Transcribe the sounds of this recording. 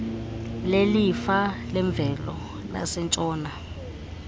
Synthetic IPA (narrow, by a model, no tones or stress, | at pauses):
lelifalɛɱb̪vʱɛlɔ̰ | la̰sɛnt͡ʃʼɔːna